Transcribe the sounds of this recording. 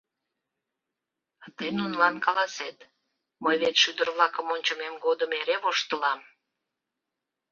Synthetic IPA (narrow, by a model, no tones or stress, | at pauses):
t̪ejnunlɑnkɑlɑset̪ | məjβet̪ʃyd̪ərβlɑkəmonʲt͡ɕəmemɡod̪əmeɾeβoʃt̪əlɑm